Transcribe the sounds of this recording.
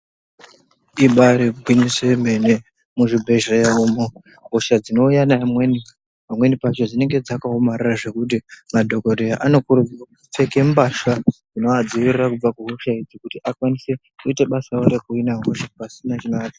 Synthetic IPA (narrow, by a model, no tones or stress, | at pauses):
iɓaɾiɡʱwiniseme̞ne | muʐibʱe̞ʒejaumo | ɦuʃad͡zino̞ujanamweni | amwe̞nipat͡ʃo̞d͡zine̞ŋɡe̞d͡zakaɦomariraʐe̞kut̬imadʱo̞ko̞ɾejaʔano̞kuɾud͡zirakuup͡fe̞ke̞mbaʃad͡zino̞ad͡ziʋirirakub͡vakuɦuʃaid͡zikutiʔakwanise̞ | kuiteɓasaoɾekuinaŋɡoʃapasinat͡ʃinaːki